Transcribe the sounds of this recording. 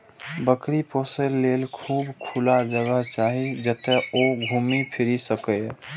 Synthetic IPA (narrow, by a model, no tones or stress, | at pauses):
bəkɾipoːselːeːlkʰuːbkʰulad͡ʒəɡəɦt͡ʃaːɦid͡ʒət̪eoɡʱuːmipʰɪɾisəkə